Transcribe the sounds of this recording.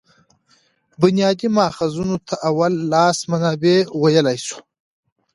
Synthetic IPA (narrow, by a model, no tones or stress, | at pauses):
bʊnjɑːd̪imɑːxazunot̪ʰaʔawalːɑːsmanɑːbewajalajsu̥